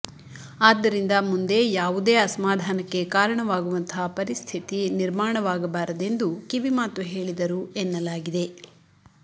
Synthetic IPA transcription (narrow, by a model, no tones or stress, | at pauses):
aːd̪ːɐɾind̪ɐmund̪eːjaːʋud̪e̞ːɐsɐmaːd̪ʱaːnɐkːe̞kaːɾɐɳɐʋaːɡuʋɐnt̪ʰɐpɐɾist̪ʰit̪iniɾmaːɳɐʋaːɡɐbaːɾɐd̪e̞nd̪ukiʋimaːt̪uɦe̞ːɭid̪ɐɾuenːɐlaːɡid̪e̞